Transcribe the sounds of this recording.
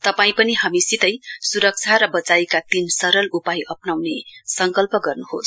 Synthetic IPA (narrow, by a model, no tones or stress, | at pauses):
t̪ʌpaĩpʌniɦamisit̪ʌjsuɾʌk̚t͡sʰaɾʌbʌt͡sajkat̪imsʌɾʌlupajʔʌpnawnesʌŋkʌlpʌɡʌrnuhos